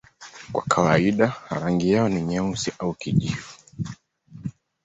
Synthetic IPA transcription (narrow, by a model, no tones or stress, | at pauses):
kwa̰kʰawaiɗaɾaŋɡijaɔniɲausiʔaukiʄifu